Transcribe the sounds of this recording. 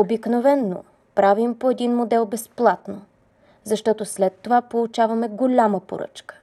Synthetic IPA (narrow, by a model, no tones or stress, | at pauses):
obiknovɛnːo̰ | pɾavimpoɛd̪inmod̪ɛlˠbɛsplˠat̪no | zɐʃt̪ɔt̪oslɛt̪ːovapolˠut͡ʃavɐmɛɡolʲaməpo̰ɾɤ̰t͡ʃkə̥